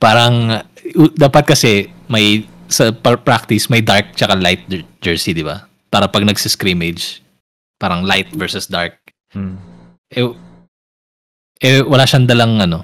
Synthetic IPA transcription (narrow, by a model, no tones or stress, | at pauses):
paːɾɐŋ | ʔud̪aːpɐt̪̚kɐsɛmɐjsɐppɾak̚t̪ɪsmɐjd̪aɹk̚t͡ʃɐkalajt̪̚d͡ʒɛɹsid̪ɪba̰ | paːɾɐpɐɡ̚nɐɡsɪskɾiːmɛd͡ʒ | paːɾɐŋlajt̪̚vɛɹsʊsd̪aɹk̚ | ʔɛ | ʔɛwɐlaːʃɐnd̪ɐlɐŋʔɐno̞